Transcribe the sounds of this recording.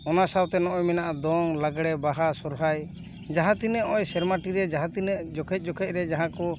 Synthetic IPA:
ɔnasawt̪ɛnɔʔɔjmɛnaʔad̪ɔŋlaɡɽɛbaɦasɔɾɦaj | d͡ʒaɦãt̪inəʔɔjsɛɾmaʈiɾɛd͡ʒaɦãt̪ind͡ʒɔkʰɛt̪̚ˀd͡ʒɔkʰɛc̪̚ɾɛd͡ʒaɦãkɔ

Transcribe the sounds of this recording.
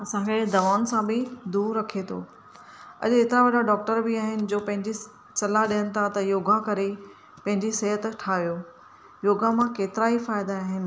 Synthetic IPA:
ɐsãkʰed̪ɐʋaːʊnsãbɪd̪uːɾːɐkʰet̪ʰo̰ː | ɐ̰ʄet̪ɪɾaʋɐɗaɖɔːk̚ʈəɾbɪaːɦɪnɪ̆d͡ʑoːpɐ̃ɦɪ̃ɲd͡ʑi | t͡ɕɐlaɗijənɪ̆t̪ʰat̪ɐjoːɡakɐɾe | pɐ̃ɦɪ̃ɲd͡ʑiseɦət̪ʈʰaːʋijoː | joːɡʱamãkeːt̪ɪɾaːifaːɪd̪aaːɦɪnɪ̆

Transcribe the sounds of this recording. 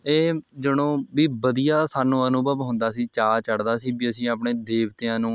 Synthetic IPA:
eːd͡ʒəɽ̃õːbiːbəd̪ijaːsaːnũːənũːbəbɦoʊ̃nd̪aːsiːt͡ʃaːt͡ʃəɽd̪aːsiːbiːəsĩːaːpɳeːd̪eːbt̪eːãːnũː

